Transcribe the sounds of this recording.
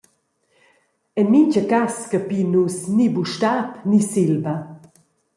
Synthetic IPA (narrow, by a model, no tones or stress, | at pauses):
ɛnmint͡ʃəkaskəpinusnibuʃtapnisilbɐ